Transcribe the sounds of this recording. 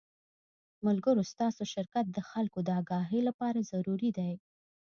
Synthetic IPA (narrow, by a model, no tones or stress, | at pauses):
mʊlɡəɾost̪ɑsoʃɪɾkat̪̚d̪əxalkod̪əɑɡɑɦilapɑɾazaɾuɾid̪aj